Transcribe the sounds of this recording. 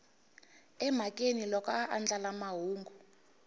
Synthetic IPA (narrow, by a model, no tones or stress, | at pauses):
ɛm̤akʼenilɔkɔʔand͡ɮalamaɦuːŋɡu